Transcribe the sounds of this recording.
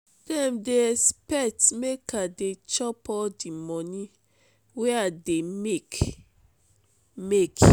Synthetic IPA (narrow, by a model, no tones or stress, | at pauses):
d̥ɛ̃mdeɛspɛk̚tmekadet͡ʃɔpɔdimɔnĩ | weademek | mek